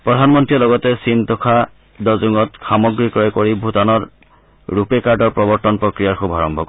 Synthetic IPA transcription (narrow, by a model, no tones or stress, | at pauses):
pɹɔdʱanmɔntɹiɔlɔɡɔtɛsintɔkʰa | dɔzuŋɔtxamɔɡɹikɔɔkoɹibʱutanɔɹː | upekaɹdɔɹpɹɔbɔɹtɔnpɹɔkɹijaɹxubʱaɹɔmbʱɔk